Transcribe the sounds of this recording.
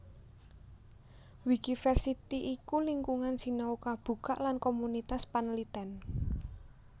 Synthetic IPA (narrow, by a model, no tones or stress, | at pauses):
wid̥ifɛrsit̪iʔikuliŋkuŋansinɔukab̥ṳka̰ʔlankomunit̪aspanlit̪ɛn